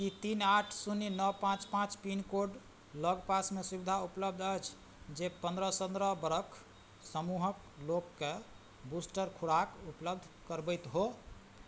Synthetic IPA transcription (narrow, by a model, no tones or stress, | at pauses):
kit̪inaʈʰsunːinəpãt͡ʃpãt͡ʃpinkoɖ | ləɡpasmesubid̪ʱaupləb̚d̪ʱəjt͡ʃʰ | d͡ʒepə̃nd̪ɾəsənd̪ɾəbəɾəkʰ | səmuɦək | lokːe | busʈəɾkʰuɽakupləb̚d̪ʱkəɾbəjt̪ɦo